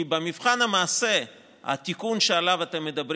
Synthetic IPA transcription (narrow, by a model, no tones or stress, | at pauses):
ibemivχanamaːse | ha̰t̪ikunʃealavat̪emːed̪abɾ